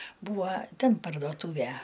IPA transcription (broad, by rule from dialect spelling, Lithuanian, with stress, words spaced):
ˈbuːʋɐ ˈtʲɛn pɐrdoːˈtuːʋʲæ